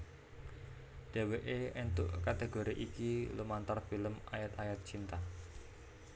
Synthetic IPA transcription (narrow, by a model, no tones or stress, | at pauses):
d̥e̤weʔeɛnt̪ʊ̰ʔkat̪eɡoɾiʔikilumant̪arfiləmajat̪ajat̪̚t͡ʃint̪a